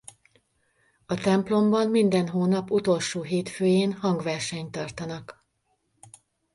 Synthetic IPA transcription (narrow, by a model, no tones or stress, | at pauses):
ɒt̪ɛmplo̞mbɒmmind̪ɛnɦoːnɒput̪o̞lʃoːɦeːt̪føːjeːnhɒŋɡʋɛrʃɛɲt̪ɒrt̪ɒnɒk